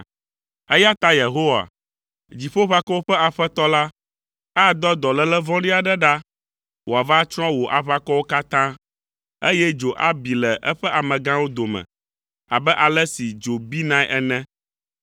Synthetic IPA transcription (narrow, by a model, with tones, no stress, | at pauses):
ɛ˦ja˦t̪a˦je˨ɦo˦wa̰˨ | d͡ʑi˨ɸo˦ɸa˦kɔ˦wo˦ɸɛ˦a˨ɸɛ˦t̪ɔ˦la˦ | ɛ˦a˨d̪ɔ˦d̪ɔ˨lɛ˦lɛ˦vɔ̃˦ɖi˦a˨ɖɛ˦ɖa˦ | wo˨a˨va˦t͡ʃɔ̃˦wo˨ʔa˨ɸa˦kɔ˦wo˦ka˦t̪ã˦ | e˦jɛ˦d͡ʒo˨ʔa˦bi˨lɛ˨ʔɛ˦ɸɛ˦ʔa˨mɛ̃˨ɡã˦wo˦d̪o˨mɛ̰̃˨ | a̰˨bɛ˦ʔa˨lɛ˦si˨d͡ʒo˨bi˦nã˦jʔɛ˦nɛ̃˦